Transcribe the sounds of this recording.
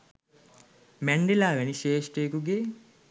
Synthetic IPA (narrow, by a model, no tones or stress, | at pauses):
mæɳɖelaːʋæniʃeːsʈejkuɡe